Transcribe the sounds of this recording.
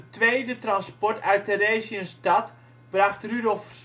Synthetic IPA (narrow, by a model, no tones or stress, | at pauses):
ətʋejdətrɑnspɔɹtœɥtəɾeːziənstɑt | b̥rɑχtrydɔlˠf